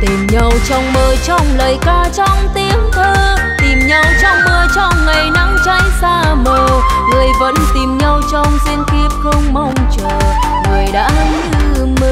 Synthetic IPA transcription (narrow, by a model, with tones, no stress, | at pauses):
t̪i˨˩mɲa˧wt͡ɕɔ˧wŋ͡mməː˧˩t͡ɕɔ˧wŋ͡mləː˨˩jkaː˧t͡ɕɔ˧wŋ͡mt̪i˨˦əmt̪ʰəː˧ | t̪i˨˩mɲa˧wt͡ɕɔ˧wŋ͡mməː˧˩jt͡ɕɔ˧wŋ͡mŋa˨˩jna˨˦mt͡ɕa̰˧˥jsaː˧mo˧˩ŋɨ˨˩əjvə̰˧˥nt̪i˨˩mɲa˧wt͡ɕɔ˧wŋ͡mze˧nki˧əp̚xə˧wŋ͡mma˧wŋ͡mt͡ɕəː˨˩ | ŋɨ˨˩jɗa̰ː˧˥ə˧mɲɨ˧m˧